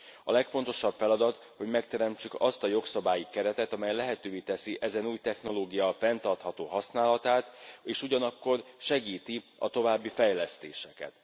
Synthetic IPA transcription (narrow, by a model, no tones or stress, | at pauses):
ɒlɛkfo̞n̪t̪o̞ʃɒbfɛlɒd̪ɒt̪ | ho̞ɟmɛkt̪ɛɾɛmt͡ʃykɒst̪ɒjo̞ksɒbaːjikɛɾɛt̪ɛt̪ɒmɛjlɛɦɛt̪øːveːt̪ɛsiʔɛzɛnuːjt̪ɛxno̞loːɡijɒfɛnt̪ɒrt̪hɒt̪oːɦɒsnaːlɒt̪aːt̪eːʃuɟɒnɒkːo̞rʃɛɡiːt̪iɒ̰t̪o̞vaːbːifɛjlɛst̪eːʃɛkɛ̰t̪